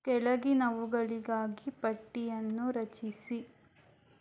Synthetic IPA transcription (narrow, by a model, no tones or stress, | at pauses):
kɛɭɐɡinɐʋuɡɐɭiɡaːɡipɐʈːijɐnːuɾɐt͡ʃisi